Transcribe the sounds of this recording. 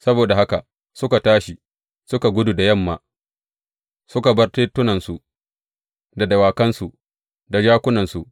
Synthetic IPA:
sɐ˦boː˨da˨ha˦ka˨ | sʊ˦ka˨taː˦ʃi˨ | sʊ˦ka˨ɡʷʊ˦du˨da˨jɐ˦˨mːa̰ː˨ | sʊ˦ka˨bɐ˦rteː˦tːʊ˦nɐ˨nsu˨ | da˨dɐ˨waː˨kɐ˦nsu˨ʔ | da˨d͡ʒaː˦kʷʊ˦nɐ˨nsu˨ʔ

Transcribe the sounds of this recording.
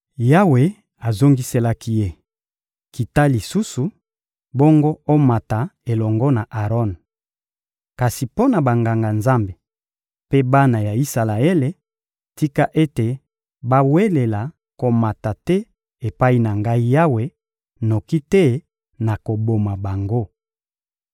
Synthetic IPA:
ja˦we˨ | a˨zo˦ŋɡi˦se˦la˦ki˦je˦ | ki˨ta˦li˨su˦su˨ | bɔ˦ŋɡɔ˦o˦ma˨ta˨e˨lɔ˨ŋɡɔ˦na˨ʔa˨ʁɔ˦˨n | ka˨si˨po˦na˨ba˨ŋɡa˨ŋɡa˨nza˦mbe˨ | pe˦ba˦na˨ja˨i˦sa˨la˨e˦le˨ | ti˦ka˦ʔe˦te˨ | ba˦we˦le˨la˨ | ko˨ma˨ta˨tɛ˦ | e˨pa˦i˦na˨ŋɡa˦i˦ja˦we˦ | no˨ki˦tɛ˦ | na˨ko˨bo˨ma˨ba˨ŋɡo˦

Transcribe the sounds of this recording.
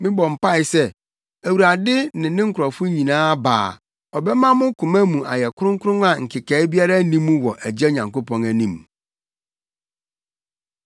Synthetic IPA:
mɪ̃˦bɔ̃˨m̩˨pa˦ɪ˨sɛ˦ | æ˨wu˨ɾa˨dɪ˦nɪ̃˨˦nɪ̃˦ŋ̩˦kʰʊ˨ɾɔ˨fʊ˦ɲĩ˨nãː˦ba̰ː˨ | ɔ˨bɛ˦mã˦mʊ̃˦kʰʊ̃˨mæ˦mũ˨a˨jɛ˨kʰʊ˦ɾʊ̃˦ŋ̩˦kʰʊ˦ɾʊ̃˦ŋ˦a˨ŋ̩˨kʰɪ˨kʰɛ˨˦bi˦a˦ɾa˦nĩ˦mːũ˦wɔ˨ʔæ˨d͡ʑɛ˦ɲã˨ŋko˦pʰɔ̃˦næ˨nĩ˦m

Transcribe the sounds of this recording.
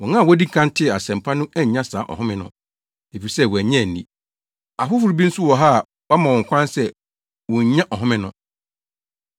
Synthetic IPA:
wɔ̃˨ŋã˦˨wɔ˦di˦ŋ̩˨kʰã˦n˦tʰɪ˦˨a˨sɛ̃˨m˨pʰa˦nʊ̃˦ʔæ˦ɲ˨ɲã˦saː˨˦ʔɔ̰˨ɦʊ̃˦mɪ̃˦nʊ̰̃˨˦ | e˨fi˨i˨sɛ˦˨wɔ˨æ˨ɲɛ̃˦˨nːḭ̃˦ | a˨fʊ˦fʊ˨ɾu˨bi˦n̩˦sʊ˦wɔ˨ɦa˦˨ | wa˦mã˨wɔ̃˨ŋ˨kʷʰã˦nsɛ˦ | wɔ̃˨ɲ˨ɲã˦ʔɔ˨ɦʊ̃˦mɪ̃˦nʊ̃˨

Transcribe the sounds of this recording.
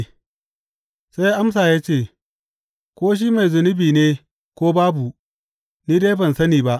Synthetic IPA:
sa˦jʔa˦ms̬aː˨jaː˦t͡ʃeː˦˨ | kʷoː˦ʃ̬iː˦ma˨jzʊ˨nʊ˦biː˨neː˦ | kʷoː˦baː˦bu˨ | niː˦da˦bɐ˨nsɐ˦niː˨ba˦ʔ

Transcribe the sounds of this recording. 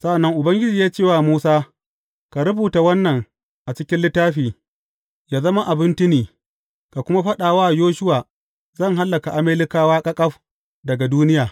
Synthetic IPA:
sɐ˦ʔa˨nːɐ˦ŋʔʊ˨bɐ˦ŋɡʲɪ˦d͡ʒiː˨jaː˦t͡ʃeː˦˨waː˦˨muː˦saː˦ | ka˨ɾʊ˦buː˨ta˨wɐ˦nːɐ˨ŋ | ʔa˨t͡ʃɪ˦kʲɪ˦nlɪ˦tːaː˦ɸiː˨ | jaː˦zɐ˦ma˦ʔa˨bɪ˦nt͡ʃɪ˦niː˨ | ka˨kʷʊ˦ma˦ɸɐ˦ɗaː˨waː˦˨joː˦ʃʊ˦waː˨ | zɐ˦˨ŋɦa˦lːɐ˨ka˨ʔa˦meː˦lɪ˦kaː˦waː˦kʼɐ˦kʼɐ˦ɸ | dɐ˨ɡa˨duː˦nɪ˦jaː˨

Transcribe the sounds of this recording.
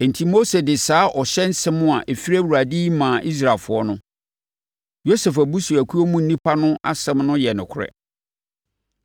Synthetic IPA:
ɛ˨n˨tʰi˦mo˦se˨dɪ˨saː˦ʔɔ˨ɕɛ˦n̩˦sɛ̃˦mʊ̃˦a˨ʔɛ˨fi˦ɾæ˦wa˨di˦mãː˨ʔi˦s̬ɾa˨lfʊ˨˦ɔ˦nʊ̃˦ | jo˦sɛ˨fæ˨bu˦su˨æ˨kʰu˦o˦mʊ̃˦n̩˨˦nĩ˦pʰa˦nʊ̃˦ʔa̰˦sɛ̃˦mnʊ̃˦jɛ˨nʊ̃˨kʰʊ˦ɾɛ̰˨

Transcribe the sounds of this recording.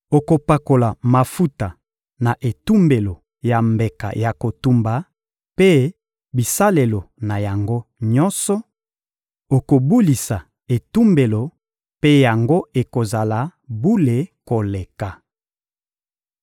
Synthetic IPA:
o˨ko˨pa˨ko˨la˨ma˨fu˦ta˨ | na˨ʔe˨tu˦mbe˨lo˨ | ja˨mbe˨ka̰˨ja˨ko˨tu˦mba˨ | pe˦ | bi˨sa˦le˨lo˨na˨ja˨ŋɡo˦ɲɔ˦nsɔ˦ | o˨ko˨bu˦li˨sa˨ | e˨tu˦mbe˨lo˨ | pe˦ja˨ŋɡo˦e˨ko˨za˨la˨bu˦le˨ko˨le˨ka˨

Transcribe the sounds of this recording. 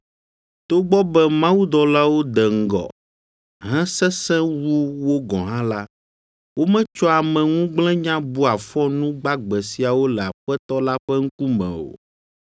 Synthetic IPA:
t̪o˦ɡ͡bɔ˦bɛ˦mã˦wu˦d̪ɔ˨la˦wo˦d̪ɛ˨ŋ̩˦ɡɔ̰˨ | ɦɛ̃˦sɛ˦sɛ̃˦wu˦wo˦ɡɔ̃˨ɦã˦la˦ | wo˦mɛ̃˦t͡ʃɔ˦a˨mɛ̃˨ŋũ˦ɡ͡blɛ̃˦ɲã˦bu˦a˨fɔ˦nũ˦ɡ͡ba˦ɡ͡bɛ˨si˨a˨wo˦lɛ˨a˨ɸɛ˦t̪ɔ˦la˦ɸɛ˦ŋ̩˦ku˦mɛ̰̃˨o̰˨

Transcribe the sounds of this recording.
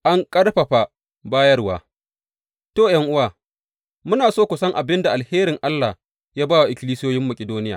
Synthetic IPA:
ʔa˦ŋkʼɐ˦ɽɸa˨ɸa˨ | baː˦jɐ˦rwa̰ː˨ | toː˦˨jɐ˦ŋʔʊ˦waː˨ | mʊ˦naː˨soː˦kʷʊ˨sɐ˦ŋʔa˨bɪ˦nda˨ʔa˨lheː˦ɾɪ˨ŋʔa˦lːa˨ | jaː˦baː˦wa˨ʔɪ˨kʲɪ˦liː˦sɪ˦joː˦jɪ˦mːɐ˨kʲʼɪ˨doː˦nɪ˦ja̰ː˨

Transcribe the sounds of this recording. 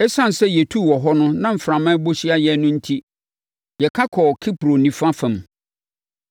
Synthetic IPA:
ɛ˦sã˦˨n˨sɛ˦jɛ˨tʰu˦˨wɔ˨ɦɔ˦nʊ̃˦nã˦m̩˨fɾã˨mã˦bo˦ɕi˦a˦jɛ˨nʊ̃˦n̩˦tʰi˦ | jɛ˨kʰa˦kʰɔ˨kʰi˦pɾo˨nĩ˨fa˦fɛ̃˨m

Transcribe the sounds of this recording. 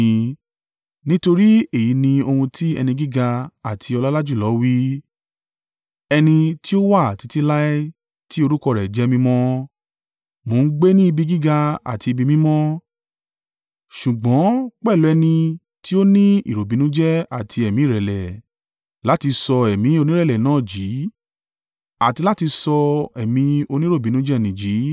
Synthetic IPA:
nĩ˦to˧ɾi˦e˦˨ji˨˦nĩ˧o˧hũ˧tʰi˦ɛ̰˧nĩ˧ɡi˦ɡa˧a˨tʰi˧ɔ˧la˦la˦d͡ʒu˦˨lɔ˨˦wi˦ | ɛ˧nĩ˧ti˦o˦wa˦˨a˨ti˨˧ti˦la˦ | ti˦o˧ɾu˦kɔ˧ɾɛ˨d͡ʒɛ˨˦mĩ˧mɔ̃˦ | mo˨˦n̩˦ɡ͡be˦nĩ˦i˧bi˧ɡi˦ɡa˧a̰˨ti˧i˧bi˧mĩ˦mɔ̃˦ | ʃu˨ɡ͡bɔ̃˨˦k͡pɛ˦˨lu˨˦ɛ˧nĩ˧ | ti˦o˦nĩ˦ḭ˨ɾo˨bi˨˦nũ˨˦d͡ʒɛ˦a˦˨tʰi˧ɛ˨mĩ˨˦˨ɾɛ˨lɛ˨ | la˨˦ti˧sɔ˧ɛ˨mĩ˨˧˦o˧nĩ˦ɾɛ˦˨lɛ˨nãː˨˦˨d͡ʒiː˨˦ | a˨ti˧la˦ti˧sɔ˧ɛ˨mĩ˧o˧nĩ˦ɾo˦˨bi˨˦nũ˦d͡ʒɛ˦˨nĩ˨d͡ʒi˨˦

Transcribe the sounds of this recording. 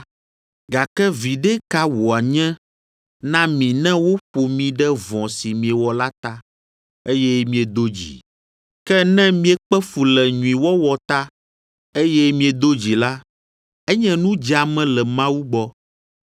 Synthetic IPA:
ɡa˨kɛ˦vi˨ɖɛ˦ka˦wo˨a˨ɲɛ̃˦ | nã˦mĩ˨nɛ̃˦wo˦ɸo˨mĩ˨ɖɛ˦vɔ̃˨si˨mĩ˨ɛ˨wɔ˨la˦t̪a˦ | e˦jɛ˦mĩ˨ɛ˨d̪o˦d͡ʑḭ˨ | kɛ˦nɛ̃˦mĩ˦ɛ˦k͡pɛ˦fu˨lɛ˨ɲũ˨ĩ˨wɔ˦wɔ˨t̪a˦ | e˦jɛ˦mĩ˦ɛ˨d̪o˦d͡ʑi˨la˦ | ɛ˦ɲɛ̃˦nũ˦d͡ʒa˨mɛ̃˦lɛ˨mã˦wu˦ɡ͡bɔ˦

